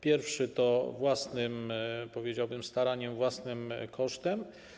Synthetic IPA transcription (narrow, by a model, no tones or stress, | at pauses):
pʲjɛɾfʂɘt̪ɔvwasnɘmpɔvʲjed͡ʑawbɘmst̪aɾaɲɛmvwasnɘmkʰɔʂt̪ɛm